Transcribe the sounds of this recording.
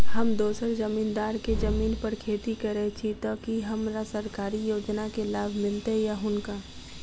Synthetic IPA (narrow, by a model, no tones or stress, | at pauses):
ɦɐmd̪oːsəɾd͡ʒəmiːnd̪aːɾked͡ʒɐmiːnpəɾkʰeːt̪ikɐɾet͡ʃʰit̪okiɦɐmɾasəɾkaːɾijoːd͡ʒnakelaːbʱmɪlt̪ejaɦʊnkaː